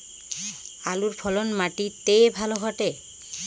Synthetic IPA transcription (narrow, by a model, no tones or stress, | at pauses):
aluɾpʰɔlonmaʈit̪ejbʱaloɡʱɔʈe